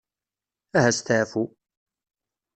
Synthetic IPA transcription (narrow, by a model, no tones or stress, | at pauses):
æhæst̪afu